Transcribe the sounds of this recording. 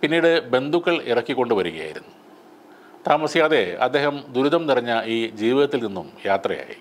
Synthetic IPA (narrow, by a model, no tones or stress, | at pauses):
pinːiːɽɨbe̞nd̪ukːɐɭirɐkːikːo̞ɳɖɨʋɐɾuɣɐ̰ja̰ːjḭɾunːu | t̪aːmɐsjaːðe̞ɐ̰d̪ːe̞ːhɐmd̪uɾuðɐmnirɐɲːɐiːd͡ʑiːʋiðɐt̪ːilninːumjaːt̪rɐja̰ːjḭ